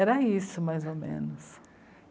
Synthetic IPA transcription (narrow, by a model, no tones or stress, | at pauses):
ɛɾɐisʊmajzomḛ̃nʊs